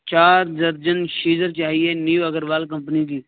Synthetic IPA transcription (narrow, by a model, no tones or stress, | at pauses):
t͡ʃaːɾd̪əɾd͡ʒənʃiːd͡ʒəɾt͡ʃaːɦieniuɐɡəɾʋaːlk̬ɐ̃mpnik̪iː